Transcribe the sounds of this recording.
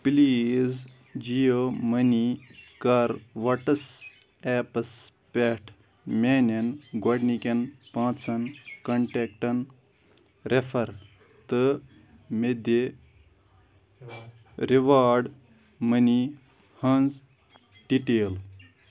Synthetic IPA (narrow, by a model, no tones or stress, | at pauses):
pliːz | d͡ʒijomɐnikɐɾʋɐʈɐs | ɛːpɐs | pʲeʈʰ | mʲeːnɐnɡwɐɖnikɐnpãːt͡sɐnkɐɳʈeːk̚ʈɐn | ɾefʰɐɾ | t̪ɨ | med̪e | ɾiʋaːɾɖ | mɐni | hɐnz | ɖiʈeːl